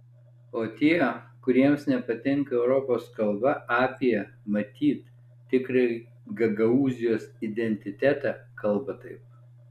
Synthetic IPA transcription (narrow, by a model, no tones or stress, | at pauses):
oːt̪ʲiɛkʊɾʲiɛmsnʲɛpɐt̪ʲɪŋkɐɛʊɾɔpoːskɐlˠbɐʔɑːpʲiɛ | mɐt̪ʲiːt̪ | t̪ʲɪkɾɐɪ | ɡɐɡɐuːzʲɪjoːsɪd̪ʲɛnʲt̪ʲɪt̪ʲæt̪æːkɐlˠˑbɐt̪ɐɪp̚